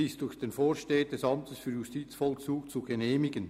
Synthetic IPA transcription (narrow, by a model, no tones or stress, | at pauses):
ɪsd̥ʊɹç̥eːnfoːɾʃteːəd̥ɛsɑmtəsfyːjustiːt͡sfɔlkt͡suːkt͡suɡeneːmɪɡən